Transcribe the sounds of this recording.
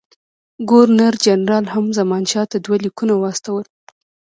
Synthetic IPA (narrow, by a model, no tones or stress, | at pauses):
ɡoɾnaɾd͡ʒanɾɑlhamzamɑnʃɑt̪ad̪walikunawɑst̪awəl